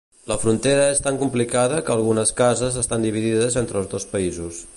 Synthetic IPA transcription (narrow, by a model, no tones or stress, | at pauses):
ləfɾunt̪eɾəest̪aŋkumplikaðəkəːlˠɣunəskazəzəst̪and̪iβ̞iðiðəzent̪ɾəlˠzðospəizus